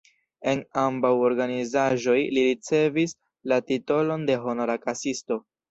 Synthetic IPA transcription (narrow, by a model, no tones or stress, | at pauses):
e̞nambawo̞ɾɡanizaʒo̞jliɾit͡se̞vis | latito̞lo̞nde̞ɦo̞noɾakasisto̞